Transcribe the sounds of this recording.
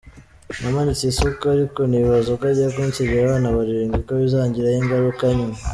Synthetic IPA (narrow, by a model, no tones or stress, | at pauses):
namanisisokoaɾikoniiβazokaɟijakuntiβiɾaβaːnaβaɾiɾiːŋɡikwaβizaːɲɟiɾahiŋɡaɾukaɲi